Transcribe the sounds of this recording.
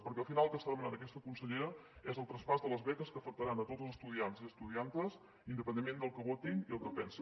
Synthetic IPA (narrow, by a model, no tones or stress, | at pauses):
pəɾkɛəlˠfinalˠlˠkəst̪aðəmənaɾəkɛst̪əkunsəʎeɾəɛzəlˠt̪ɾəspazðələzβɛkəskəːfək̚t̪əɾanət̪od͡zlzəst̪uðianziəst̪uðiant̪əz | ind̪əpənd̪emːend̪əlˠkəβot̪iŋiəlˠkəpɛnsə